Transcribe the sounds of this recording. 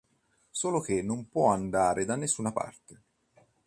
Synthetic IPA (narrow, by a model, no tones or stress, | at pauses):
soːlok̟enːompwɔand̪aːɾed̪anːesːuːnapa̰rt̪e